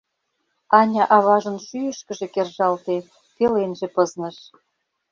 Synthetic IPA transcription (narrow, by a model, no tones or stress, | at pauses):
ɑnʲɑʔɑβɑʒə̆nʃyjəʃkə̆ʒĕkerʒɑlt̪e | pelenʒĕpɤznə̆ʃ